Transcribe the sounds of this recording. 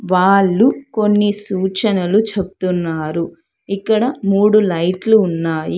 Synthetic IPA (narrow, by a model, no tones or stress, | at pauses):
ʋaːɭːuko̞nːisuːt͡ʃɐnɐlut͡ʃebut̪unːaːɾu | ikːɐɽɐmuːɽulɐjʈluːnːaːji